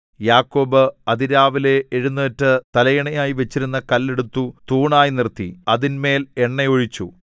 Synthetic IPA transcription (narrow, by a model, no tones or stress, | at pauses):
jaːkːo̞ːbɨɐd̪iɾaːʋile̞ːɻunːɐːtːɨt̪ɐlɐjɐɳɐjaːjiʋe̞t͡ɕːiɾunːɐkɐlːe̞ɽut̪ːut̪uːɳaːjinirt̪ːiɐðinme̞ːle̞ɳːɐjoɻit͡ɕːu